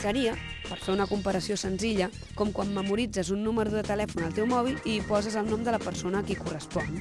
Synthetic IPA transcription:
səɾiə | pəɾfeunəkumpəɾəsiosənziʎə | kɔmkwamːəmuɾid͡zəzunːuməɾuðuðət̪əlɛfunəlˠt̪ewmɔβ̞ilipɔzəzəlˠnɔmd̪ələpəɾsonəkikurəspɔn

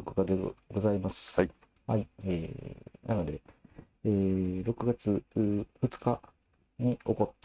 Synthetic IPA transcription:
kɯkad̪eɡo̞zaimasɨ̥ | haieːnano̞d̪e̞ | eːɾo̞kɯ̟ɡat͡sɨɸɯ̟t͡sɨ̥ka | ɲ̟io̞ko̞t̪ː

